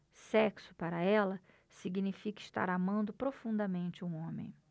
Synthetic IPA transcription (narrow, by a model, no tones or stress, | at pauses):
sɛksʊ̥paɾɐɛlɐ | siɡinifikɐɪst̪a̰ɾamɐ̃nd̪ʊpɾofũnd̪ɐmẽnt͡ʃɪũõmḛ̃j̃